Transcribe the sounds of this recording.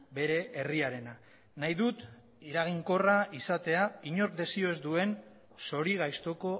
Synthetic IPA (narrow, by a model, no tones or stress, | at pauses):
be̞ɾe̞ʔeriaɾe̞na | najðut̪ | iɾaɣ̞iŋko̞raisat̪e̞aiɲo̞ɾkd̪e̞sio̞ezd̪ue̞n | so̞ɾiɣajst̪o̞ko̞